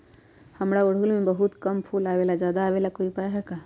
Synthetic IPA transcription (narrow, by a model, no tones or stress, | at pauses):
həmɾaoɽ̤ulmebəɦut̪kəmpʰulabelad͡ʒad̪aːbelakoipaɦɛka